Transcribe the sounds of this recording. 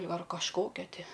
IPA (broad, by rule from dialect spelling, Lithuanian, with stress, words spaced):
ɐr kɐʃˈkoːkʲɛ ˈtʲɪ